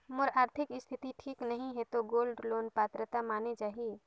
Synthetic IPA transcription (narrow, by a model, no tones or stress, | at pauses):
moɾaːɾt̪ʰɪkɪst̪ʰɪt̪iʈʰiːknəɦĩɦɛt̪oɡoːlɖloːnpat̪ɾət̪amaːnet͡ʃaːɦi